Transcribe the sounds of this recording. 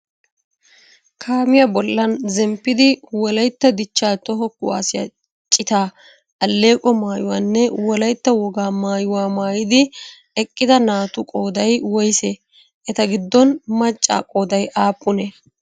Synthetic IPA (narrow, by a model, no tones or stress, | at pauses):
kʰaːmɪjɐbɔlːɐnzɛmpːɪd̪ɪwɔlɐjt̪ːɐd̪ɪt͡ʃːaːt̪ɔɦɔkːʊwa̰ːsɪjɐ̰ | t͡ʃʼːɪt̪aː | ɐlːe̞ːkʼɔmaːjʊwaːnːɛwɔlɐjt̪ːɐwɔɡaːmaːjʊwaːmaːjɪd̪ɪ | ɛkʼːɪd̪ɐnaːt̪ʊkʼoːd̪ɐjwɔjse | ʔɛt̪ɐɡɪd̪ːɔnmɐt͡ʃʼːa̰ːkʼo̞ːd̪ɐjʔaːpʼːʊnɛ